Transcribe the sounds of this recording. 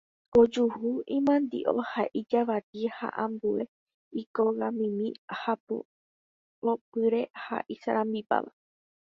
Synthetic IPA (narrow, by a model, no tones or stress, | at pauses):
od͡ʒuhuĩmãnd̪ḭʔo̰haʔid͡ʒaʋat̪iha̰ʔãmbue̞ | ikoɣãmĩmĩhapo̰ | opɨɾe̞ha̰ʔisaɾãmbipa̰ʋa̰